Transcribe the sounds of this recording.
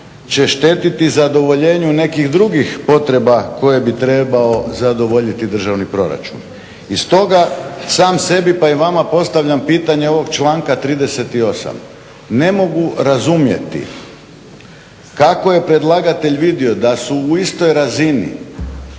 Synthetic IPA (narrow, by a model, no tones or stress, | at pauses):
t͡ɕe̞ʃt̪e̞ːt̪it̪izad̪o̞ʋo̞ʎe̞ːɲune̞kiɣd̪ɾuɡixpo̞t̪ɾe̞bako̞je̞bit̪ɾe̞bao̞zad̪o̞ʋo̞ʎit̪id̪r̩ʒaʋnipɾo̞̰ɾa̰t͡ʃṵn | ist̪o̞ɡasaːmse̞bipaiʋamapo̞st̪aʋʎampiːt̪aɲeo̞ʋo̞ɡt͡ʃlˠaːŋkat̪ɾiːd̪e̞se̞t̪io̞sa̰m | ne̞mo̞ɡuɾazumje̞̰t̪ḭ | kako̞je̞pɾe̞d̪lˠaɡat̪e̞ʎʋid̪io̞d̪asuːist̪o̞jɾazinḭ